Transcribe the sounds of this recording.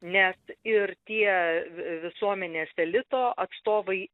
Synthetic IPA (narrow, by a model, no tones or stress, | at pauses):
nʲɛsɪrt̪ʲiɛʋʲɪsuɔmʲɛnʲeːsʲɛlʲɪt̪oːʔɐt̪st̪oːʋɐɪ